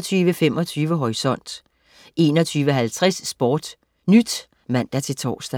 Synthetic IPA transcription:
t͡sʰyːʋəfemɒ̽t͡sʰyːʋəɦɒʁisɒ̽n̰d̥ | e̝ːnɒt͡sʰyːʋəɦælt͡sʰʁasːb̥ɒːd̥ | nyd̥ | mæn̰d̥ɐt͡sʰe̝lt͡sʰɒ̰ːsd̥æ

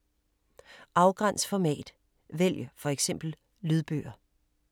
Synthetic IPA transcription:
ʔɑ̈ʊɡ̥ʁan̰sfɒmɛ̰ːd̥ | ʋel̰jəfɒ̽eɡ̥sem̰b̥l̩ | lyð̞ˠb̥ø̰ːɐ

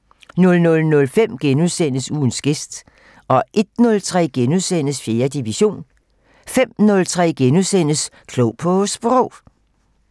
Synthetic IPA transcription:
nɔ̽lnɔ̽lnɔ̽lfem̰ɡ̥enuðˠsen̰əsuːn̩sɡ̥e̝sd̥ | ɒ̽ʔe̝d̥nɔ̽lt͡sʰʁɛ̰ːɡ̥enuðˠsen̰əsfje̝ːɐd̥iʋiɕo̝̰ːn | fem̰nɔ̽lt͡sʰʁɛ̰ːɡ̥enusen̰əs | kʰloʊpʰɔ̽sb̥ʁɔʊ

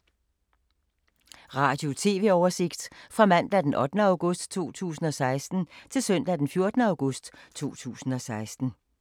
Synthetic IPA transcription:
ʁɑ̈ːd̥jo̝t͡sʰe̝̰ːʋe̝ɒʊɐse̝ɡ̥d̥fʁɑ̈mæn̰d̥æd̥enʔɒ̽d̥nəɑ̈ʊɡ̥ɔsd̥t͡sʰo̝̰ːt͡sʰṵːsn̩ɒ̽sɑ̈ɪsd̥n̩t͡sʰe̝lsœn̰d̥æd̥enfjo̝ɐd̥nəɑ̈ʊɡ̥ɔ̽sd̥t͡sʰo̝̰ːt͡sʰṵːsn̩ɒ̽sɑ̈ɪsd̥n̩

